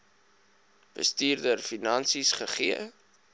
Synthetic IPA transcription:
b̥ə̰stiːrdərfinɐnsisχəχiə

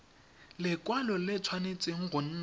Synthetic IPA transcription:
lɪkʼwalɔlɪt͡sʰwanet͡sʼɪŋ̩ɣʊn̩ː

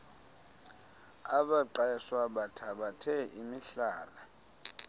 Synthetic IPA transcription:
aɓaǃaɛswaɓatʰaɓatʰɛimiɬaːla

